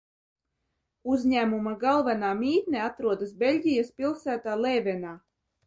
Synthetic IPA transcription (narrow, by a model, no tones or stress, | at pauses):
uzɲæːmumaɡalˠvanaːmʲiːt̪nʲeat̪ɾuɔd̪asbʲelʲɟʲijaspʲilˠsæːt̪aːlˠeːvʲɛnaː